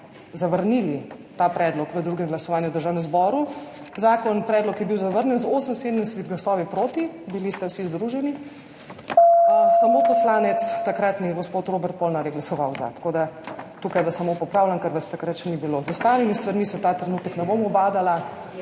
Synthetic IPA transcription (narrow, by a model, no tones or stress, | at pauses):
zaʋəɾnilit̪apɾɛːd̪lɔkʋəd̪ɾuːɡɛmɡlasɔʋaːnjuwd̪əɾʒaːwnɛmzbɔːɾu | zaːkɔnpɾɛːd̪lɔkjɛbiwzaʋəɾnjɛnzoːsənsed̪ənɛsɛt̪iɡlasɔːʋipɾoːt̪i | bilist̪ɛwsizd̪ɾuʒɛni | samoːt̪pɔslaːnɛt̪st̪akɾat̪niɡospoːt̪ɾobɛɾt̪̚polnaɾeɡlasɔʋawza̰t̪ḁkod̪at̪ukajbəsamopɔpɾawlankɛɾʋast̪akɾat̪ʃɛnibilozəst̪aːlimist̪ʋaɾmisɛt̪aːt̪ɾɛnuːt̪əknɛbomɔbaːd̪ala